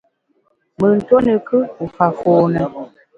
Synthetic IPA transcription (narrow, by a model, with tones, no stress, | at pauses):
mə˨n̩˨to˦nə˨kɨ˦u˨fa˨foː˨nə˨